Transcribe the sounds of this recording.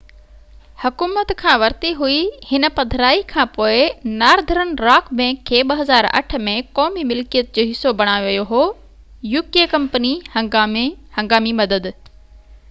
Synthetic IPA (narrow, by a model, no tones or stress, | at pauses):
hɐkuːmət̪kʰãːʋɐɾt̪iɦuihɪnə̆pɐd̪ʱɾaːikʰãːpoːɪnaːɾd̪ʱəɾənɪ̆ɾaːkʰmẽkʰeːɓɐɦɐzaːɾɐ̰ʈʰə̆mẽkɔːmimɪlkijət̪̚d͡ʑoːɦɪsːobɐɽ̃aːjoʋijoɦoː | juːkiekɐ̃mpənihɐhɐ̃ŋɡaːmimɐd̪əd̪